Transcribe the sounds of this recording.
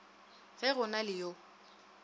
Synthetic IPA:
ɣɛɣʊnalɪjo

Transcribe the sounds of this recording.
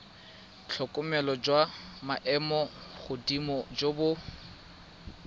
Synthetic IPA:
t͡ɬʰɔkʼʊmɛlɔd͡ʒwamaʔɛmɔχʊdimɔd͡ʒobʊ

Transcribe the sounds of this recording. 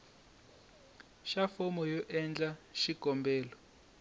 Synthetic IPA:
ʃafɔmɔjɔʔɛnd͡ɮaʃiɡ̥ʱɔmbɛːlɔ

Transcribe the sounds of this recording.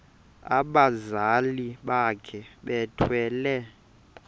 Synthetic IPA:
a̰ɓazaliɓakʰɛɓɛtʰwɛːlɛ

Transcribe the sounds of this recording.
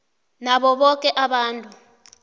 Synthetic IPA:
naɓɔɓɔk̬ʼɛʔaɓaːntʼu

